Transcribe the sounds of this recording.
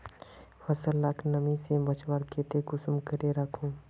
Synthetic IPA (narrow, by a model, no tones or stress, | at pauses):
fɐsəlːaːkʰnɐmĩsebɐt͡ʃʋaɾkeːt̪ekʊsmkəɾeɾɐkʰũː